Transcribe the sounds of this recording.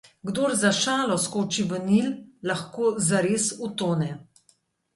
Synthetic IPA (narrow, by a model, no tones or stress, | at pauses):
ɡd̪oːɾzaʃaːlɔskoːt͡ʃiʋənillaxkoːzaɾeːsut̪oːnɛ